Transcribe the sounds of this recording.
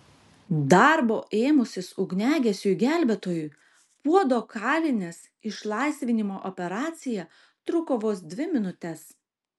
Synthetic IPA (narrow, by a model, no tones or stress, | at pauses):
d̪ɑɾboːʔeːmʊsʲɪsʊɡʲnʲæːɡʲɛsʲuɡʲæˑlʲbʲɛt̪oːjʊɪ | puɔd̪oːkʰɑːlʲɪnʲeːs | ɪʃlˠɑˑɪsʲʋʲɪnʲɪmoːʔɔpʲɛɾɑːt̪sʲɪjæ | t̪ɾʊkoʋoːs̬d̪ʲʋʲɪmʲɪnʊt̪ʲɛs